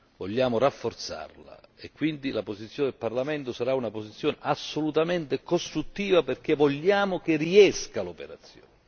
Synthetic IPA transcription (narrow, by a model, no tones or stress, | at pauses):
voʎːaːmʊɾafːort̪sa̰rla̰ekːwind̪ilapozit̪sjoːned̪elparlament̪ʊsaɾaunaposit̪sːjoːneʔasːolut̪ament̪ekost̪ɾut̪ːiːvaperk̟evoʎːaːmʊk̟ɪriɛskalopeɾat̪sːjo̰ːne